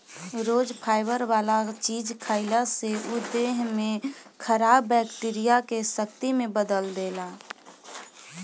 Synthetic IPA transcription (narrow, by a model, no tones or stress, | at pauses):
ɾoːd͡ʒpʰaːɪbəɾʋaːlat͡ʃiːd͡ʒkʰaːɪlaseʊd̪ːeɦmẽkʰəɾaːbːɛkʈiɾijakesək̚t̪imẽbəd̪əld̪eːla